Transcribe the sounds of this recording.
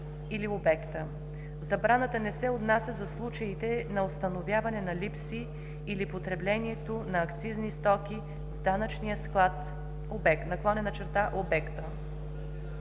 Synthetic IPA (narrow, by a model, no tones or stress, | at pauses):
iliobɛkt̪ə | zɐbɾanət̪ənɛsɛot̪nasʲəzɐslˠut͡ʃəit̪ɛnɐost̪ɐnovʲjavɐnɛnɐlipsiː | lipot̪ɾɛblɛniɛt̪onɐːkt̪siznist̪ɔkʲi | vd̪anət͡ʃnijəsklˠat̪ | obɛk̪nɐklˠɔnɛnɐt͡ʃɛɾt̪aʔobɛkt̪ə